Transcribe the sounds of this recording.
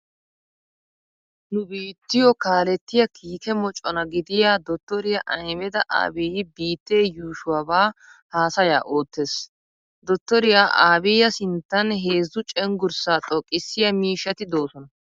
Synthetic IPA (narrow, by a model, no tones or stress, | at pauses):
nʊbiːt̪ːɪjɔkaːlɛt̪ːɪjɐkʰiːkɛmɔt͡ʃʼɔnɐɡɪd̪ɪjaːd̪ɔt̪ːɔɾɪjɐʔɐjmɛd̪ɐʔa̰ːbɛjɪbiːt̪ːeːjuːʃʊwabaːhaːsɐja̰ːʔo̞ːt̪ːes | d̪ɔt̪ːɔɾɪjaʔaːbɪjɐsɪnt̪ːɐnɦeːzʊt͡ʃʼɛŋɡʊɾsaːt̪ʼɔkʼːɪsːɪjɐmiːʃːɐt̪ɪd̪o̞ːsɔnɐ